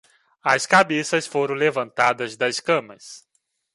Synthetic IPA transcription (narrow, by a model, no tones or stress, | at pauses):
ɐskabesɐsfoɾɐ̃w̃levɐ̃nt̪ad̪ɐzd̪ɐskɐ̃mɐs